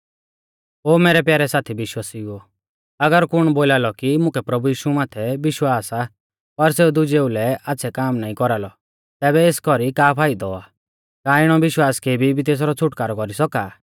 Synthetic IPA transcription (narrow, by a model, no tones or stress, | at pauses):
oːmeːɾɛpjaːɾɛsaːt̪ʰibɪʃwasiʊɔ | ɐɡəɾkʊɽ̃boːlaːlɔkimʊ̃kʰɛpɾɐbujiːʃumaːt̪ʰɛbɪʃwaːsa | pɐɾseːud̪ʊd͡ʒeːulɛaːtːsʰɛkaːmnaːĩkɔɾalɔ | t̪ɛːβɛeːskɔɾikaːpʰaːid̪ɔaː | kaːɪɽ̃ɔʋɪʃwaːskeːbʱibʱit̪eːs̬aɾɔt͡sʰʊʈkaːɾɔkɔɾisɔkaː